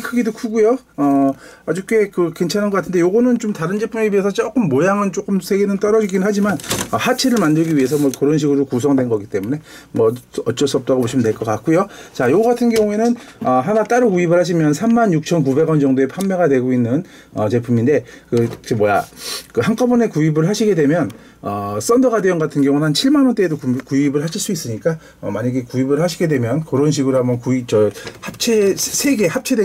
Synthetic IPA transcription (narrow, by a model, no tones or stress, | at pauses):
kʰɯɡidokʰuɡujo | ʌad͡ʑuk͈e̞kɯkwe̞nt͡ɕʰanɯnɡʌk͈atʰɯnde̞joɡʌnɯnt͡ɕomtaɾɯnd͡ʑe̞pʰumeɥiesʰʌt͡ɕʌk͈ɯmːojaŋɯnt͡ɕ͈ok͈ɯmsʰe̞ɡenɯnt͈ʌɾʌd͡ʑiɡinɯnɦad͡ʑimanʌhat͡ɕʰeɾɯɭmandɯɭɡiɥie̞s̬ʰʌmwʌkɯɾʌnɕʰiɡɯɾokus̬ʰʌŋdwe̞nɡʌɡit͈e̞mune̞ | mʌʌt͡ɕ͈ʌs͈ʌp̚t͈aɣoboɕʰimɯndweɭk͈ʌk͈ak̚k͈ujot͡ɕajoɡʌɡatʰɯnɡjʌŋue̞nɯnʌɦanat͈aɾɯkuibɯɭhaɕʰimjʌnsʰamːanjuk̚t͡ɕʰʌnkube̞ɡwʌnd͡ʑʌŋdoe̞pʰamːeɡadwe̞ɡoinːɯn | ʌt͡ɕe̞pʰumindekɯkemwʌjakɯhaŋk͈ʌbune̞kuibɯɭɦaɕʰiɡe̞dwe̞mjʌn | ʌs͈ʌndʌɡadweʌnɡatʰɯnɡjʌŋunɦant͡ɕʰiɭmanwʌnt͈e̞edokukuibɯɭɦaɕʰiɭs͈uis͈ɯɲik͈a | ʌmaɲaɡe̞kuibɯɭhaɕʰiɡe̞dwe̞mjʌnkɯɾʌnɕʰiɡɯɾoɦambʌnkuip̚t͡ɕʌhap̚t͡ɕʰesʰe̞ɡe̞hap̚t͡ɕʰe̞de